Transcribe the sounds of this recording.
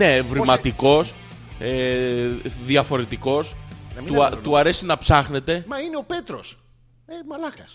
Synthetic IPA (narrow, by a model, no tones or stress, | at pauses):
ne̞vɾimɐt̪iko̞s | e | ðiɐfo̞ɾe̞t̪iko̞sɐiuɐt̪uɐɾe̞sinɐpsɐxne̞t̪e̞mɐineope̞t̪ɾos | emɐlɐkɐs